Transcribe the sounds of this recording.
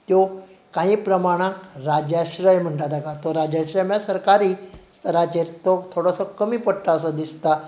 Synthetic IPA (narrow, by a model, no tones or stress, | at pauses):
t̪jo | kãɦĩːpɾəmaɽ̃ãkɾad͡ʑjaɕɾəjm̤əɳʈat̪akat̪ɔɾad͡ʑjaɕɾəjmjasəɾkaɾiːst̪ʰəɾat͡ɕeɾt̪ɔt̪ʰoɽəsɔkəmiːpəʈʈaəsəd̪ist̪a